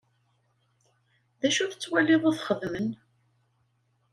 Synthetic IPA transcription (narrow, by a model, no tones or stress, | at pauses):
ðæʃuθət͡sːwæliðˤɑθχəðmən